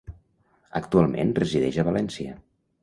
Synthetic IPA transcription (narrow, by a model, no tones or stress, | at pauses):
ək̚t̪ualˠmḛnrəziðɛʒəβəlɛnsiə